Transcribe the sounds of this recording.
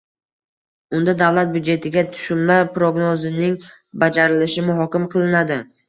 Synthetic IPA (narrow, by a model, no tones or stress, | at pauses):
ʊnd̪ad̪avlat̪̚bjʊd̪d͡ʒe̞t̪ʰɪɡʲat̪ʰʊ̥ʃʊmlaɾpɾoɡnozɪnɪŋ | bad͡ʒaɾɪlɪʃɪmʊɦɒkʲɪmqʰɨlˠɪnad̪ɪ